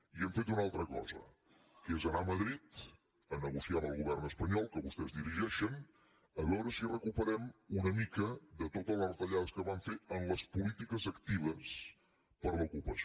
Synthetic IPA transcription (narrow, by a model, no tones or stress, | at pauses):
iəmfet̪unalˠt̪ɾəkɔ̰zə̰ | kezənaməðɾit̪ | ənəɣusiambəlˠɣuβɛrnəspəɲɔlˠkəβust̪ɛzðiɾiʒɛʃən | əβɛwɾəsirəkupəɾɛmunəmikəðət̪ot̪əlˠərt̪əʎaðəskəβaɱfeənləspulit̪ikəzəkt̪iβ̞əs | pəɾləukupəs